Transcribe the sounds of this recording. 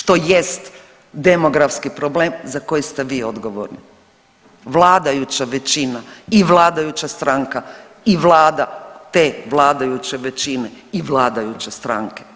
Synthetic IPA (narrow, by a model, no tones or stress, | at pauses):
ʃt̪o̞jest̪ | d̪emo̞ɡɾafskipɾo̞bleːmzako̞jist̪e̞ʋiːo̞d̪ɡo̞ʋo̰ɾni | ʋlˠaːd̪ajut͡ɕaʋe̞t͡ɕinaiʋlˠaːd̪ajut͡ɕast̪ɾaŋka | iʋlˠaːd̪at̪e̞ːʋlˠaːd̪ajut͡ɕe̞ʋet͡ɕine̞iʋlˠaːd̪ajut͡ɕest̪ɾa̰ŋke̥